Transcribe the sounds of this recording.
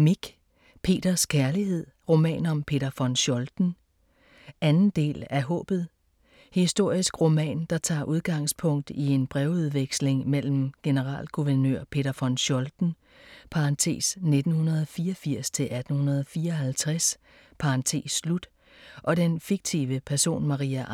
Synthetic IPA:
miɡ̥ | pʰe̝̰ːd̥ɐskʰæɐliɦe̝ð̞̰ˠʁo̝mɛ̰ːnɒ̽mpʰe̝̰ɾɐfɒ̽nɕɒ̽ld̥n̩ | ʔænn̩d̥e̝̰ːlæɦɔ̰̽ːb̥ð̞̩ˠ | hisd̥o̝ɐ̰isɡ̥ʁo̝mɛ̰ːnd̥ɑ̈t͡sʰɑ̰̈ːʔuð̞ˠɡ̥ɑ̈ŋ̰spʰɔ̽ŋ̰d̥ie̝nb̥ʁɛʊuðˠʋeɡ̥sle̝ŋmel̰m̩ɡ̥e̝nəʁɑ̰̈ːlɡ̥uʋæɐnø̰ɐ̰pʰe̝ɾ̥ɐfɒ̽nɕɒ̽ld̥n̩ | pʰɑ̈ɑnt͡sʰe̝̰ːsne̝d̥n̩hunɐð̞ˠɒfiːɒfiɐ̰st͡sʰe̝lʔæd̥n̩hunɐð̞ˠɒ̽fiːɐɒɦælt͡sʰʁas | pʰɑ̈ɑnt͡sʰe̝̰ːsːlud̥ | ʔɒ̽d̥enfiɡ̥̚t͡sʰḭːʋəpʰæɐso̝̰ːnmɑ̈ʁiːæ

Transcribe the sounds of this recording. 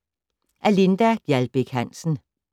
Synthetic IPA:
ʔælind̥æ̥jælb̥eɡ̥hæn̰sn̩

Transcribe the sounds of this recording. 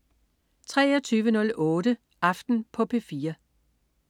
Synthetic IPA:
t͡sʰʁɛːɒt͡sʰyːʋənɔ̽lʔɔ̽ːɾə | ʔɑ̈fd̥n̩pʰɒ̽pʰe̝fiːɐ

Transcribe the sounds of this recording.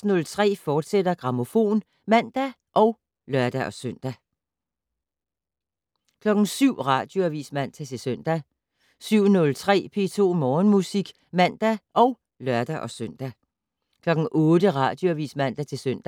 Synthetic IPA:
snɔ̽lt͡sʰʁɛ̰ːfɒːd̥sed̥ɐɡ̥ʁɑ̈mo̝fo̝̰ːn | mæn̰d̥æ | ʔɒ̽ʊ | lɶɐd̥æʔɒ̽sœn̰d̥æ | kʰlɒ̽ɡ̥n̩syʊ̰ʁɑ̈ːd̥jo̝æʋḭːsmæn̰t͡sʰæt͡sʰe̝søn̰d̥æ | syʊ̰nɔ̽lt͡sʰʁɛ̰ːpʰe̝ːt͡sʰo̝̰ːmɒːnmusiɡ̥ | mæn̰d̥æʔɒ̽ʊ | lɶɐd̥æʔɒ̽søn̰d̥æ | kʰlɒ̽ɡ̥n̩ʔɔ̽ːd̥əʁɑ̈ːd̥jo̝æʋḭːsmæn̰d̥æt͡sʰe̝søn̰d̥

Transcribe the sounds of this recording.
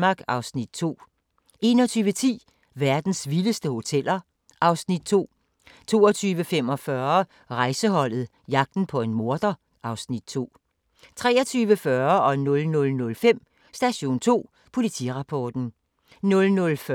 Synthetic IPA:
mɑ̈ːɡ̥ɑ̈ʊsnid̥̚t͡sʰo̝̰ː | e̝nɒ̽t͡sʰyːʋət͡sʰḭː | ʋæɐd̥n̩sʋiləsd̥əho̝t͡sʰel̰ɐ | ʔɑ̈ʊsnid̥̚t͡sʰo̝̰ː | t͡sʰo̝̰ːɒ̽t͡sʰyːʋəfem̰ɒ̽fɶɐ | ʁɑ̈ɪsəɦɒ̽l̰ð̞̩ˠ | jɑ̈ɡ̥̚d̥n̩pʰɒ̽e̝nmo̝ɐd̥ɐ | ʔɑ̈ʊsnid̥̚t͡sʰo̝̰ː | t͡sʰʁɛ̰ːɐt͡sʰyːʋəfɶɐɒ̽nɔ̽lnɔ̽lnɔ̽lfem̰ | sd̥æɕo̝̰ːnt͡sʰo̝̰ː | pʰo̝lit͡sʰḭːʁɑ̈pʰɒːd̥n̩ | nɔ̽lnɔ̽lf

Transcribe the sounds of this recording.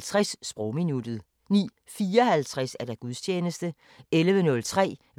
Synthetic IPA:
t͡sʰʁasːb̥ʁɔʊminud̥ð̩ˠ | nḭː | fiːɒhælt͡sʰʁasæɐd̥æɡ̥uðˠst͡ɕʰeːnəsd̥ə | elʋənɔ̽lt͡sʰʁɛ̰ː

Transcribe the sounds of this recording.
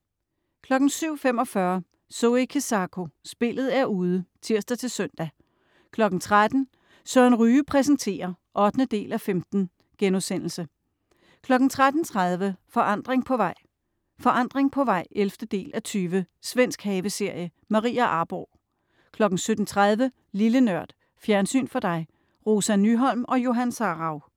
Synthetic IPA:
kʰlɒ̽ɡ̥n̩syʊ̰fem̰ɒ̽fɶɐ | soikʰesɑ̈kʰo̝sb̥e̝lð̞̩ˠæɐuːð̞ˠət͡sʰiɐ̰sd̥æt͡sʰe̝lsøn̰d̥æ | kʰlɒ̽ɡ̥n̩t͡sʰʁad̥n̩ | sœɐnʁyːpʰʁɛsən̩t͡sʰe̝̰ːɐ | ʔɒ̽d̥nəd̥e̝̰ːlʔæfemd̥n̩ | ɡ̥enusen̰l̩sə | kʰlɒ̽ɡ̥n̩t͡sʰʁad̥n̩t͡sʰʁað̞ˠʋəfɒ̽ʔɑ̈n̰d̥ʁeŋpʰɒ̽ʋɑ̈ɪ̰ | fɒ̽ʔɑ̈n̰d̥ʁeŋpʰɒ̽ʋɑ̈ɪ̰elfd̥əd̥e̝̰ːlʔæt͡sʰyːʋə | sʋen̰sɡ̥hɛːʋəse̝ɐ̰jə | mɑ̈ʁḭːæʔɑ̈ːb̥ʁoʊ | kʰlɒ̽ɡ̥n̩sød̥n̩t͡sʰʁað̞ˠʋə | lilənɶɐ̰d̥ | fjæɐnsy̰ːnfɒ̽d̥ɑ̈ɪ | ʁo̝ːsænːyɦɒl̰mɒ̽jo̝ɦænsɑːʁɑ̈ʊ

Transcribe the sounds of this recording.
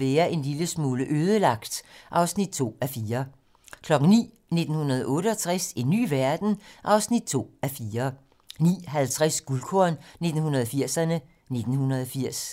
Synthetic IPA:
eːɐʔe̝nliləsmuːləʔøːð̞ˠəlɑ̈ɡ̥̚d̥ʔɑ̈ʊsnid̥̚t͡sʰo̝̰ːæfiːɐ | kʰlɒ̽ɡ̥ŋ̩nḭː | ne̝d̥n̩hunɐð̞̩ˠʔɔ̽ːɾəɒt͡sʰʁasinːy̰ːʋæɐd̥n̩ʔɑ̈ʊsnid̥̚t͡sʰo̝̰ːæfiːɐ | nḭːɦælt͡sʰʁasɡ̥ulkʰoɐnne̝d̥n̩hunɐð̞ˠfiɐ̰sɐnə | ne̝d̥n̩hunɐðˠɒfiɐ̰s

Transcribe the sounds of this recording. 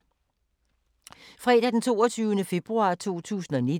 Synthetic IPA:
fʁɛ̰ːd̥æd̥ent͡sʰo̝̰ːɐt͡sʰyːʊənəfe̝b̥ʁuɑ̈ːt͡sʰo̝̰ːt͡sʰṵːsn̩ɒni

